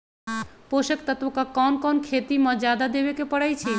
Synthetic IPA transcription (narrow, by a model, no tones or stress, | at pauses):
poʃekt̪at̪okakɔnkɔnkʰet̪imɔd͡ʑad̪ad̪ebekepɔɽajt͡ɕʰi